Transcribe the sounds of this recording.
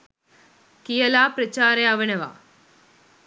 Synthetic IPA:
kijɐlaːpɾɐt͡ʃaːɾeɐʋɐnɐʋa̰ː

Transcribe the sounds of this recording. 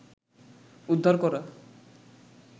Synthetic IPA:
ud̪ʱːaɾkɔɾa

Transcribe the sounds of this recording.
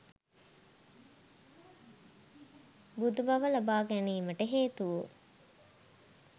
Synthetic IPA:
bud̪ubɐʋəlabaːɡæniːməʈəɦeːt̪uʋu

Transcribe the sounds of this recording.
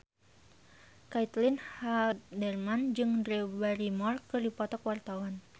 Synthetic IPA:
kait̪linhaldɛrmand͡ʒɨŋdrebaɾimɔrkɨrdipɔt̪ɔkwart̪awan

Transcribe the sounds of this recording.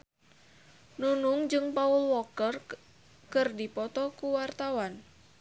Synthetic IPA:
nunuŋd͡ʒɨŋpaulwɔkər | kɨrdipɔt̪ɔkuwart̪awan

